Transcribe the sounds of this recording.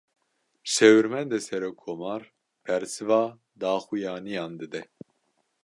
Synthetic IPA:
ʃɛwɨɾmɛnd̪ɛsɛɾokʰːomɑːɾ | pʰɛɾsɨvɑː | d̪ɑːxujɑːnijɑːnd̪ɨd̪ɛ

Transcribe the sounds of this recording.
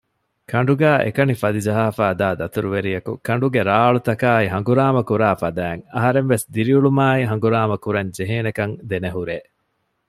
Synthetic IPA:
kʰɐɳ̆ɖuɡæːʔḛkɐnifɐd̪id͡ʒɐɦaːfaːd̪aːd̪ɐt̪uɾuʋeɾijɐkṵkɐɳ̆ɖuɡeɾaːɭut̪ɐkaːiɦɐŋɡuɾaːmɐkuɾaːfɐd̪æːŋɐɦɐɾemʋesd̪iɾiuɭumaːiɦɐŋ̆ɡuɾaːmɐkuɾɐɲd͡ʒeɦeːnekɐŋd̪eneɦuɾeː

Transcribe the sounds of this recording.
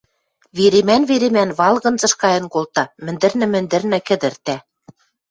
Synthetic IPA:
βeɾemænβeɾemænβɑlɣɤ̆nzɤ̆ʃkɑjɤ̆nkolt̪ɑmɘ̆nd̪ɘ̆rnɘ̆mɘ̆nd̪ɘ̆rnɘ̆kɘ̆d̪ɘ̆rt̪æ

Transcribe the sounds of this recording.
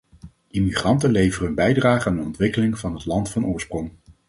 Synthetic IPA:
ʔimiχrɑntəlejvərəɦɵnbɛjdraːχəaːndənɔntʋɪkəlɪŋvɑnɦətlɑntfɑnʔʊːɹsprɔŋ

